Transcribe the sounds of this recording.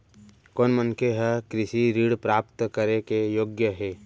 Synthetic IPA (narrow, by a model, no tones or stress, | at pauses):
koːnmənkeɦɛkɾɪʃiɾiːɽpɾaːp̚t̪kəɾekejoːɡjəɦeː